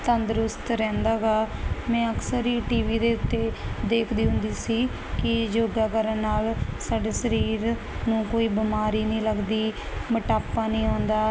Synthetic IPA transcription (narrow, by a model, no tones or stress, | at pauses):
t̪ənd̪əɾʊst̪ɾɛ̃ːnd̪aːɡaːmɛ̃ːəksəɾiːʈiːʋiːd̪eːʊt̪ːeːd̪eːkʰd̪iːɦʊ̃nd̪iːsiː | kɪd͡ʒoːɡaːkəɾənːaːlsaːɖeːsəɾiːɾ | nũːkoːiːbɪmaːɾiːnĩːləɡd̪iː | məʈaːpːaːnĩːɔ̃ːnd̪aː